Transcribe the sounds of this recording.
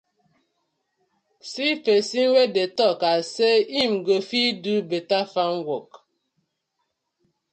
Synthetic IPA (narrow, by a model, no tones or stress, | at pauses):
sifesiŋ̩wedetɔkaseimɡofidʉbetafaŋ̩wɔk̚